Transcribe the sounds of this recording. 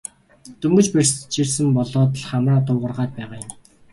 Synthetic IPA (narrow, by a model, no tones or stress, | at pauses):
t̪ɵmɡɵ̆t͡ɕperʲst͡ɕʰirsɘ̆mpɔɮɔːt̪̬ə̆ɮχamraːt̪ʊːʁə̆rʁaːt̪̚pæːʁaːjʊ̆m